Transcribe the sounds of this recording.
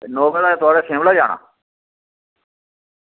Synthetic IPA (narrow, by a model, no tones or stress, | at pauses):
noːɡəlaːeːt̪ʊaːɽaːsʰẽːmlaːd͡ʒaːɽa̰ː